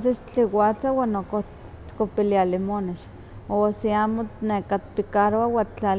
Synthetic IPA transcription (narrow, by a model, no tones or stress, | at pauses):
s̬est͡ɬiwat͡sawanoko | t̪kopilialimoneʃ | osiamonekat̪pikaɾoawat͡ɬa